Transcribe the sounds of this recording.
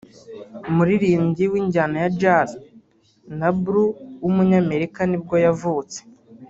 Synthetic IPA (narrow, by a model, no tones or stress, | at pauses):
muɾiɾiːmɟiwiːɲɟanajad͡ʒaz | nabɾuwumuɲaːme̞ɾikanib̚ɡo̞javuːt͡se̥